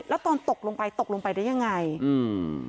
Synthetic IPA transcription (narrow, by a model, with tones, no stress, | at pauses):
lɛː˦˥wt̪ɔː˧nt̪o˨˩k̚loː˧ŋpa˧jt̪o˨˩k̚lo˧ŋpa˧jdaː˦˥˩ja˧˩ŋːa˧jɯː˧